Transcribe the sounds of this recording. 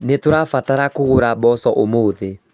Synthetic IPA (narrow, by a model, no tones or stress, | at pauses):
netoɾafataɾakoɣoɾabɔsɔʔomoðe